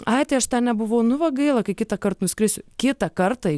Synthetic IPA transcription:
ɐɪt̪ʲɐɪɐʃt̪ɑːnʲɛbʊʋɐʊnʊʋɐɡɐɪlˠɐkɐɪkʲɪt̪ɐkɐɾt̪nʊsʲkɾʲɪːsʲʊkʲɪt̪ɐkɐrt̪ɐ

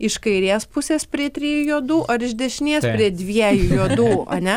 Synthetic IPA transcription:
ɪʃkɐɪɾʲiːspʊsʲeːspʲɾʲiɛt̪ʲɾʲiːjujuːd̪uːʔɐɾɪʒd̪ʲɛʃʲɪnʲiɛspʲɾʲiɛd̪ʲʋʲiɛjujuɔd̪uːɐ̰nʲɛ

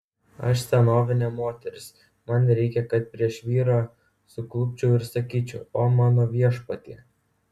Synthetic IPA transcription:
ɐ̰ʃsʲɛnoːʋʲɪnʲɛmoːt̪ʲɛɾʲɪs | mɐnɾʲɛɪkʲɛkɐt̪̚pʲɾʲiɛʃʋʲiːɾɑː | sʊklˠʊpʲt͡ʃʲɛʊɪɾsɐkʲiːt͡ʃʲɛʊoːmɑːnoːʋʲiɛʃpɐt̪ʲiː

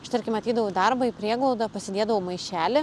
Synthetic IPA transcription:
ʃt̪ɐɾʲkʲɪmɐt̪ʲiːd̪ɐʋʊd̪ɐɾbɐipʲɾʲiɛɡlˠɐʊd̪ɐpɐsʲɪd̪ʲeɛd̪ɐʋoʊmɐɪʃʲæːlʲɪ

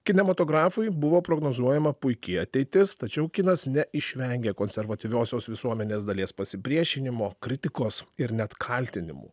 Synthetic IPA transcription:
kʲɪnʲɛmɐt̪oːɡɾɑːfʊɪbʊʋoːpɾoːɡnoːzuɔjɛmɐpʊɪkʲɪɐt̪ʲɛɪt̪ʲɪst̪ɐt͡ʃʲɛʊkʲɪnɐsnʲɛʔɪʃʲʋʲɛŋʲɡʲeːkoːnʲsʲɛɾʋɐt̪ʲɪʋʲoːsʲoːsʋʲɪsuɔmʲɛnʲeːsd̪ɐlʲeːspɐsʲɪpʲɾʲiɛʃʲɪnʲɪmoːkɾʲɪt̪ʲɪkoːsɪɾnʲɛt̪kʰɐlʲt̪ʲɪnʲɪ̰mṵː

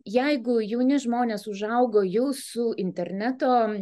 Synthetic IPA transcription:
jɛɪɡʊjɛʊnʲɪʒmoːnʲeːsʊʒɐʊɡoːjuːsʊɪnʲt̪ʲɛrʲnʲæt̪oː

